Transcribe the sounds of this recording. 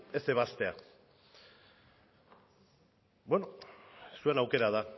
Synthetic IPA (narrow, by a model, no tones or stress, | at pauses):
ese̞β̞ast̪e̞a | bwenosue̞nawke̞ɾað̞a